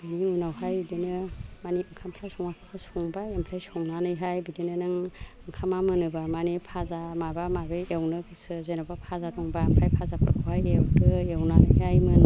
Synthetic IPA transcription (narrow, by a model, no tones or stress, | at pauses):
biniunawɦajbidenɯmaniɯŋkʰampʰɾasɔŋakʰakʰasɔŋbajampʰɾajsɔŋnanɯjɦajbidenɯnɯŋɯŋkʰamamɯnɯbamanipʰazamabamabeewnɯkʰisɯzenabapʰazadɔŋbaːmpʰɾajpʰazapʰɯ̰ɾkʰawɦajewdɯewnanɯjɦajmɯn